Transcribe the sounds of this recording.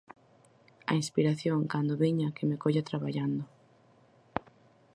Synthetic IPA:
ɐ̰inspiɾaθjoŋkand̪oβiɲakɪmekoʎat̪ɾaβaʎand̪ʊ

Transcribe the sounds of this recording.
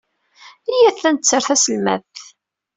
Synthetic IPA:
ijæθːænt̪t͡sːəɾθæsəlmæ̰θ

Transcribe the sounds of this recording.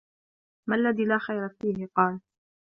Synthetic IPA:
malːaðiːlaːxajɾafiːhɪqɑːl

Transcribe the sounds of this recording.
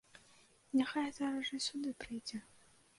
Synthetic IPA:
nʲaxajɦɛt̪ɐɾɐʐɨsʲud̪ɨpɾɨjd͡zʲɛ

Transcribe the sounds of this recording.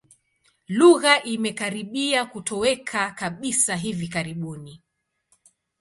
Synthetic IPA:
luɣaʔimɛkaɾiɓiakutɔwɛkʰakaɓisaɦivikaɾiɓuni

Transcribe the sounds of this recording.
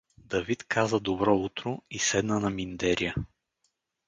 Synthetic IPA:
d̪ɐvit̪kʰazəd̪obɾɔut̪ɾʊisɛd̪nənɐmind̪ɛɾijə

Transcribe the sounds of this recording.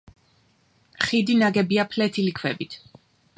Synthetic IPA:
χid̪inaɡɛbiapʰlɛt̪ʰilikʰwɛbit̪ʰ

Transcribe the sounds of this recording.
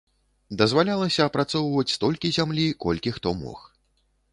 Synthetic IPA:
d̪ɐzvalʲalˠɐsʲɐːpɾat̪sɔwvɐt͡sʲst̪ɔlʲkʲizʲamlʲikɔlʲkʲixt̪ɔmɔ̰x

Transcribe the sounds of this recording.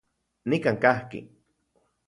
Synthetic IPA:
nikaːŋkahkḭ

